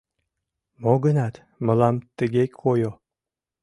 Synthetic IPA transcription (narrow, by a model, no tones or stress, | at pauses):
moɡənɑt̪ | mə̆lɑmt̪əɡekʰojo